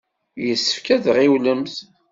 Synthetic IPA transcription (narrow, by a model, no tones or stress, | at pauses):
jəsːə̥fkæðʁiwləmθ